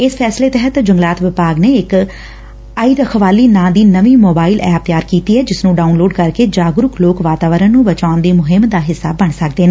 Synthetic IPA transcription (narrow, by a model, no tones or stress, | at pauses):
ɪspʰɛːsleːt̪ɛɦət̪d͡ʒəŋɡlaːt̪ʋɪpaːɡneːɪk | aiːɾəkʰʋaːliːnãːd̪iːnəʋiːmoːbaːilʔɛːp̚t̪jaːɾkiːt̪iːɦɛːd͡ʒɪsnũːɖaːunloːɖkəɾkeːd͡ʒaːɡɾʊkʰloːkʋaːt̪aːʋəɾənnũːbət͡ʃaːʊnd̪iːmʊɦɪmd̪aːɦɪsːa̰ːbːəɳ̃səkd̪eːnaː